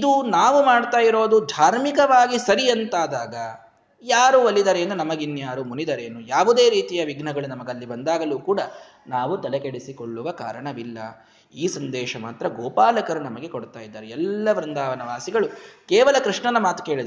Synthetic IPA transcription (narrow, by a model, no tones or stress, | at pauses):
id̪unaːʋumaːɖt̪aːjiɾo̞ːd̪ud̪ʱaːɾmikɐʋaːɡisɐɾijɐnt̪aːd̪aːɡɐ | jaːɾuɐlːid̪ɐɾeːnd̪unɐmɐɡinːjaːɾumunid̪ɐɾe̞ːnujaːʋud̪e̞ːɾiːt̪ijɐʋiɡnɐɡɐɭunɐmɐɡɐlːibɐnd̪aːɡɐluːkuːɽɐ | naːʋut̪ɐlekeɽisikoɭːuʋɐka̰ːɾɐɳɐʋilːɐ̰ | iːsɐnd̪ɛːʃɐmaːt̪ɾɐɡɔːpaːlɐkɐɾunɐmɐɡe̞koɽt̪aːjid̪ːaːɾeɛlːɐʋɾind̪aːʋɐnɐʋaːsiɡɐɭukɛːʋɐlɐkɾiʂɳɐnɐmaːt̪u̥ke̞ːɭid̪ɐɾ